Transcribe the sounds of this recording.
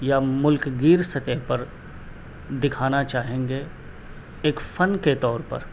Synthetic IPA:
jamʊlkɡiːɾsɐt̪ɛɦpɐɾ | d̪ɪkʰaːnat͡ʃaːɦẽːŋɡe | eːkfɐnket̪ɔːɾpɐ̰ɾ

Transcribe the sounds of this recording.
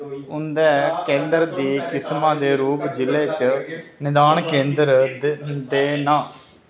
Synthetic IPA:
ʊnd̪ɛːkẽːnd̪əɾd̪iːkɪsmãːd̪eːɾuːpd͡ʒɪleːt͡ʃ | nɪd̪aːɳkẽːnd̪əɾ | d̪eːnãː

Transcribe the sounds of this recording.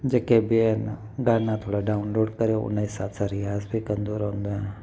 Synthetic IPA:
d͡ʒɐkebien | ɡaːnat̪ʰoːɽaɖaːʊnloːɖkəɾeoʊ̰naisaːt̪ʰsaɾɪjaːsbʱikənd̪oːɾɦõːnd̪oɦɛ̃

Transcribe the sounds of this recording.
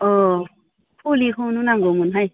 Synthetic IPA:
ɔ | fulihununaŋɡomunɦaj

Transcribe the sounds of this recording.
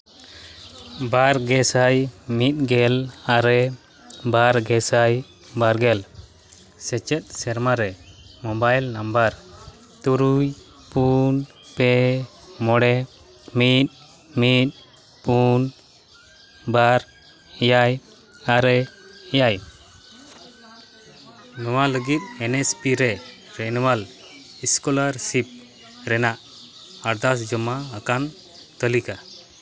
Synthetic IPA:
baɾɡɛsajmit̪̚ɡɛlaɾɛ | baɾɡɛsaj | baɾɡɛl | sɛt͡ʃɛt̪̚ˀsɛɾmaɾɛmɔbajlnambaɾ | t̪uɾuj | pun | pɛ | mɔɽɛ | mit̪̚ | mit̪̚ | pun | baɾ | ɛjaj | aɾɛɛjaj | nɔwaləɡit̪̚ɛnɛspiɾɛɾɛnɔwal | iskɔlaɾsip̚ | ɾɛnaʔ | aɾd̪asd͡ʒɔmaːkan | t̪əlika

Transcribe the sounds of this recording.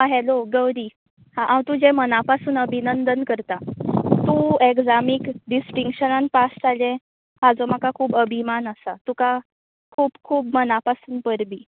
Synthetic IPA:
ɦaɦɛloɡəwɾiː | hãʔãwt̪ud͡ʑemənapasuːnəbʱinənd̪ənkəɾt̪at̪uekd͡zamikɖisʈiŋkʂənanpasʈalɛ̃ | ɦad͡zɔm̤akakʰuːbəbʱimanəsat̪uka | kʰuːbkʰuːb̚mənapasuːnpəɾbiː

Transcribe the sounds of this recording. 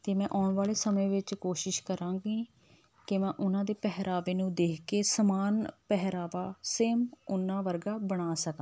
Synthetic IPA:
t̪eːmɛ̃ːʔaːʊɳʋaːleːsəmẽːʋɪt͡ʃkoːʃɪʃkəɾãːɡiː | kɪmɛ̃ːʔʊnãːd̪eːpɛɦɾaːʋeːnũːd̪eːkʰkeːsəmaːnpɛɦɾaːʋaːseːmʊnːãːʋəɾɡaːbəɽ̃aːsəkãː

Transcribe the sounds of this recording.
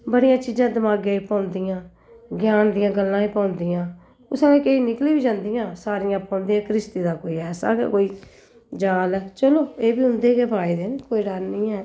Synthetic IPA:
bəɽɪjãːt͡ʃiːzãːd̪əmaːɡeːipãːʊnd̪ɪjãː | ɡjaːnd̪ɪjãːɡəlːãːiːpãːʊnd̪ɪjãː | ʊsãːekeiːnɪkliːbiːd͡ʒãːnd̪ɪjãːsaːɾɪjãːpãːnd̪ijãːkɾɪst̪iːd̪aːkoːiːɛːsa̰ːkḛkoːiː | d͡ʒaːlɛːt͡ʃəloːeːbiːɦʊnd̪eːkeːpaːiːd̪eːnkoːiːɖannĩːɛː

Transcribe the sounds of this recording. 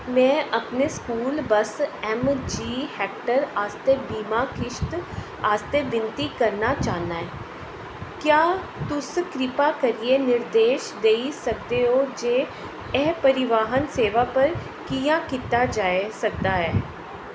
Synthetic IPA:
mɛ̃ːʔəpneːskuːlbəsɛːmd͡ʒiːhɛːk̚ʈəɾaːst̪eːbiːmaːkɪʃt̪ | aːst̪eːbɪnt̪iːkəɾnaːt͡ʃaːnaːɛ̃ː | kjaː | t̪ʊskɾɪpaːkəɾieːnɪɾd̪eːʃd̪eːisək̚d̪eːɦoːd͡ʒeː | ɛːpəɾɪʋaːɦənseːʋaːpəɾ | kiːjãːkɪt̪aːd͡ʒaːesək̚d̪aːɦɛː

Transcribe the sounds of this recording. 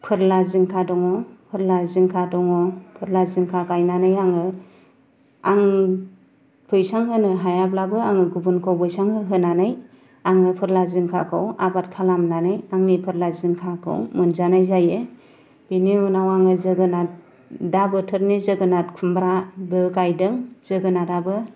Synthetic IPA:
pʰɯɾlaziŋkʰadɔŋɔpʰɯɾlaziŋkʰadɔŋɔpʰɯɾlazɯŋkʰakajnanɯjaŋɯ | aŋ | pʰɯjsaŋhɯnɯɦajablabɯaŋɯɡubunkʰawbɯjsaŋɦɯɦɯnanɯj | aŋɯpʰɯɾlaziŋkʰa̰kʰɯwabat̚kʰalamnanɯjaŋnipʰɯɾlazɯŋkʰakʰɯ̰wmɯnzanajzajɯ | b̥iniunawaŋɯzɯɡɯnat̚ | dabɯtʰɯɾnizɯɡɯnat̚kʰumbɾabɯkajdɯŋz̥ɯɡɯnadabɯ

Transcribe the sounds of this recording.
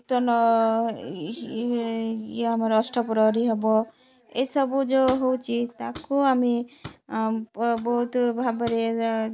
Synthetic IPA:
t̪ɔnɔ | amaɾɔsʈɔpɔɾɔɾiɦɛbɔ | ejsɔbud͡ʒɔɦowt͡ʃʰit̪akuami | bɔɦut̪bʱabaɾe

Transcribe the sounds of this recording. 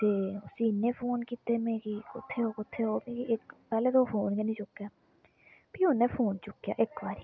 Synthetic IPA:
t̪eːʊsiːnẽːpʰoːnkiːt̪eːmẽːkiːkʊ̰t̪ʰːeːɦoːkʊt̪ʰːeːɦoːmẽːkiɪkpɛːleːt̪oːpʰoːnkenĩːt͡ʃʊkːjaː | piːɦonẽːpʰoːnt͡ʃʊkːja̰ːʔɪkbaːɾiː

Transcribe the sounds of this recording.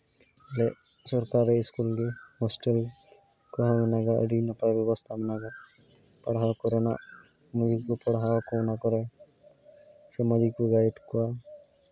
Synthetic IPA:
lɛ | sɔɾkaɾeiskulɡehɔsʈel | kɔɦamɔnaɡaə̰ɖinɔpajbjɔbɔst̪ʰamanaɡa | pɔɽɦawakɔɾɛna̰ | mɔd̪ikupɔɽɦawakɔnakɔɾɛ | semɔd̪ikuɡajʈkɔwa

